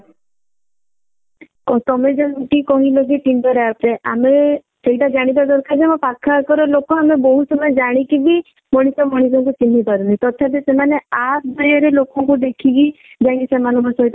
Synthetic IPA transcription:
kɔt̪ɔmed͡ʒakikɔɦĩloɡiʈiɳɖɔɾeapɾeʔa̰me | seɦiʈad͡ʒaɽ̃ibad̪ɔɾkʰad͡ʒemɔpakʰakɔɾɔlokɔamebɔɦusɔmɔd͡ʒaɽ̃ikibi | mɔɽ̃isɔmɔɽ̃isɔŋkut͡ʃin̤ːikɔɾɔnit̪ɔt̪ʰːapesemaneasd̪ɔɾaɾelokɔŋkud̪ekʰiɡi | d͡ʒaĩŋkisemanɔɔsɔɦit̪

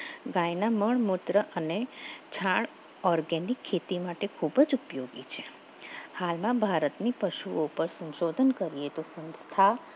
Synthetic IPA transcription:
ɡãjnaməɭmʊt̪ɾəʔənet͡ʃʰãɭ | ɔɾɡɛnikʰːet̪imaʈekʰubəd͡ʒupjoɡit͡ʃʰe | halmãbʱaɾət̪nipəʃuopəɾsə̃nʃod̪ʱənkəɾiet̪osə̃nst̪ʰa

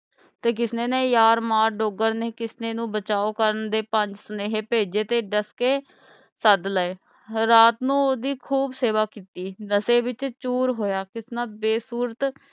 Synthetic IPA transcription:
t̪eːk̬ɪsneːnẽːjaːɾmaːɾɖoːɡəɾneːkɪsneːnũːbət͡ʃaːoːkəɾənd̪eːpəɲd͡ʒsəneːɦeːpeːd͡ʒeːt̪eːɖəskeː | səd̪ləːeː | ɾaːt̪nũːoːd̪iːkʰuːbseːʋaːkiːt̪iːnəseːʋɪt͡ʃt͡ʃuːɾɦoːjaːkɪsnaːbeːsuːɾət̪

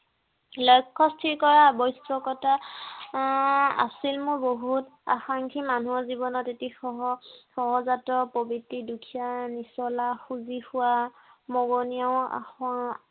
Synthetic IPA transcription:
lɔjkʰːɔstʰiɹkɔɹabɔjsɔkɔta | a̰silmʊɹboɦuta̰xaŋkʰimanuɔzibɔnɔtetixɔɦɔxɔɦɔzatɔpɔbitːidukʰijanisɔlaxuzixʊwa | mɔɡɔnijaʊ̃a̰x

